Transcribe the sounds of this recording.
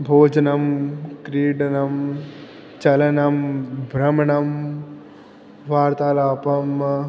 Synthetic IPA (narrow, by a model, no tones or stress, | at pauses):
bʱoːd͡ʒɐnɐmkɾiːɖɐnɐm | t͡ʃɐlɐnɐmbʱɾɐmɐɳɐm | ʋaːɾt̪aːlaːpɐm